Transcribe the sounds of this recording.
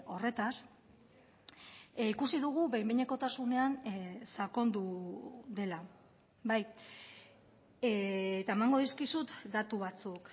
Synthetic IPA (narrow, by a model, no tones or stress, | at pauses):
o̞re̞t̪as | ikusiðuɣ̞uβejmbeɲeko̞t̪asune̞ansako̞nd̪uðe̞la | baj | et̪aemaŋɡo̞ðiskisut̪d̪at̪uβ̞at͡suk